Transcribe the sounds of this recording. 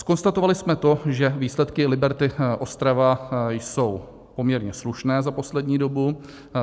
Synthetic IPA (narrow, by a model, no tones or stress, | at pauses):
sko̞nst̪at̪ovalɪsmɛt̪o̞ʒɛviːslɛt̪kɪlɪbɛɾt̪ɪʔo̞st̪ɾavajso̞w | po̞mɲɛɾɲɛsluʃnɛːzapo̞slɛdɲiːdo̞bu